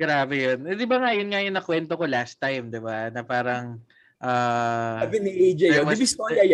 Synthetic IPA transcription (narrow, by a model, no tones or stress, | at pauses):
ɡɾaːbɛjonɛd̪ɪbaŋaʔjʊnŋajʊnɐkwɛnt̪oko̞last̪ːajmd̪ɪbanɐpaːɾɐŋ | ʔaːɐbɪnɪʔejd͡ʒɐomɪbɪst̪oɐj